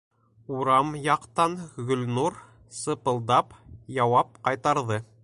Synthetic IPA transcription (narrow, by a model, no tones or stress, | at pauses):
uɾɑmjɑqt̪ɑnɡɵ̆lʲnuɾ | sɤ̆pɤ̆lˠd̪ɑpjɑwɑp̚qɑjt̪ɑɾðɤ